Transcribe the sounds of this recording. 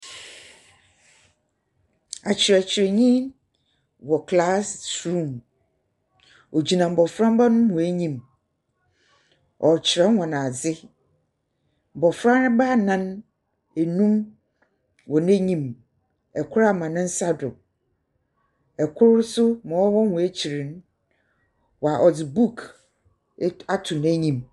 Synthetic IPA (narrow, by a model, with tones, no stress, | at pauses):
a˨t͡ɕʰɪ˨ɾɛ˨t͡ɕʰɪ˨ɾɛ˨ɲĩ˦n | wɔ˨kʰla˦stɾũ˦˨m | ɔ˨d͡ʑi˨nã˨m̩˨bɔ˨fɾã˦m˦ba˦nʊ̃˦mʊ̃˨æ˦ɲĩ˦˨m | ɔ˨t͡ɕʰɪ˨ɾɛ˦hʷã˨nã˨d͡zɪ˦ | m̩˨bɔ˨fɾã˦nɪ̃˦ba˦˨nã˦n | æ˨nũ˦m | wɔ˨næ̃˦ɲĩ˦m | ɛ˨kʰʊ˦ɾa˨mã˨nɪ̃˦n̩˦sa˦dʊ˨ | ɛ˨kʰʊ˦ɾʊ˦sʊ˦mã˨wɔ˦wɔ˦hʊ̃˨æ˦t͡ɕʰi˨ɾĩ˨n˦ | wa˨ʔɔ˨d͡zɪ˨bu˦˨kʰ | a˦tʰʊ˨n˨æ˦ɲĩ˦m